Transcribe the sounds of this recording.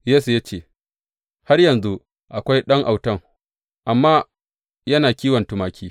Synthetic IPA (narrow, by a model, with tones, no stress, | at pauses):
jeː˦su˨ja˦t͡ʃeː˦˨ | ha˦rjɐ˨nzu˦ | ʔa˨kʷa˦jɗɐ˦ŋʔa˨wtɐ˦ŋ | ʔa˨mːaː˦ | jɐ˦naː˨kʲiː˦wɐ˨ntʊ˨maː˨kʲiː˦